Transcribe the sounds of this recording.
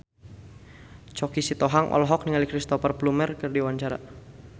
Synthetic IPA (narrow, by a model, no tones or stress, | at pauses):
t͡ʃɔkisit̪ɔɦaŋʔɔ̰lɦɔk̚niŋalikɾist̪ɔpərplumɛrkərdiwaɲt͡ʃaɾa̰